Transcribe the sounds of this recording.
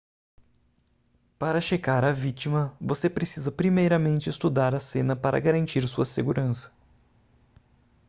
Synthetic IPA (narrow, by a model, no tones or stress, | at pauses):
paɾɐʃekaɾɐvit͡ʃimɐvosepɾesizɐpɾimejɾɐmẽnt͡ʃɪest̪ud̪aɾɐsẽnɐpaɾɐ̰ɡaɾɐ̃nt͡ʃiɾsuɐseɡuɾɐ̃sɐ̥